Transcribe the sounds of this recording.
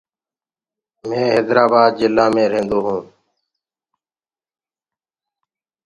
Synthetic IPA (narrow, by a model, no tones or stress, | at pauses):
mẽːɦeːd̪ɾaːbaːd̪̚d͡ʒɪlːãːmẽːɾẽːnd̪oːɦũː